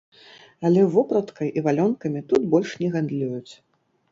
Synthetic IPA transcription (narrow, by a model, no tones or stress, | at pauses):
ɐlʲɛvɔpɾɐt̪kɐjʔivalʲɔnkɐmʲit̪ut̪bɔlʲʂnʲɛɣand̪lʲujut͡sʲ